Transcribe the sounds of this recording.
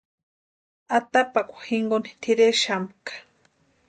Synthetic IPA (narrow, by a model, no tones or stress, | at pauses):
at̪apakʷḁxiŋɡoni̥t̪ʰiɾeʃamkḁ